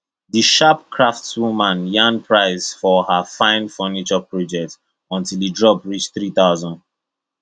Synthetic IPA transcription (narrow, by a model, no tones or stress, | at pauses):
diʃap̚kʰɹaftwumãnjãnpʰɹaɪzfɔhafãɪ̃nfɔnit͡ʃɔpʰɹɔd͡ʒɛk̚t | ɔ̃ntilidɹɔpɹit͡ʃθɹiθaʊzɔ̃nd